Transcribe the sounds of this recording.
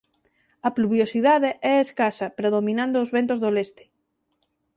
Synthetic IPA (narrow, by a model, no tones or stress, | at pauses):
ɐpluβjosiðaðeʔɛeskasɐpɾeðomĩnãnd̪ʊːzβent̪ʊzðolest̪ɪ̥